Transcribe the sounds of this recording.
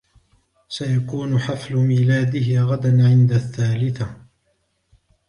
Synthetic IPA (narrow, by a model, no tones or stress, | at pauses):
sajakuːnʊħaflʊmiːlaːd̪ɪɦɪɣad̪anʕɪnd̪aθːaːlɪθa